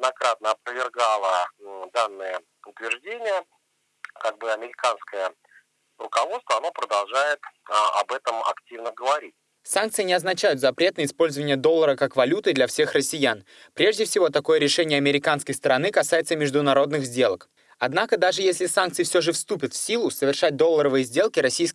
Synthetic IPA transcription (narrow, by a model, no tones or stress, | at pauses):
d̪nɐkɾat̪̚nəɐpɾəvʲɪrɡalˠəd̪anːɨjə | ʊt̪vʲɪrʐdʲenʲɪjə | kaɡ̚bɨɐmʲɪɾʲɪkanskəjə | rʊkɐvot̪st̪vəɐno̞pɾəd̪ɐlˠʐajɪt̪ɐ̰bɛt̪əmɐ̰ktʲivnəɡəvɐɾʲitʲ | sankt̪sɨɪnʲɪɐznɐt͡ɕæjʊt̪zɐpɾʲe̞t̪nəɪspo̞lʲzəvənʲɪjəd̪olˠːəɾəkakvɐlʲut̪ɨd̪lʲɐfsʲe̞xrəsʲɪjan | pɾʲe̞ʐdʲɪfsʲɪvo̞t̪ɐko̞jəɾʲɪʂɛnʲɪjəɐmʲɪɾʲɪkanskəjst̪əɾɐnɨkɐsajɪt̪səmʲɪʐd̪ʊnɐɾo̞d̪nɨɣzʲdʲe̞lˠək | ɐd̪nakəd̪aʐɨjesʲlʲɪsank̪̚sɨɪfsʲoʐɨfst̪upʲɪt̪fʲsʲilˠʊsəvʲɪrʂat̚ʲd̪o̞lˠːəɾəvɨjəzʲdʲe̞lˠkʲɪɾɐsʲijsk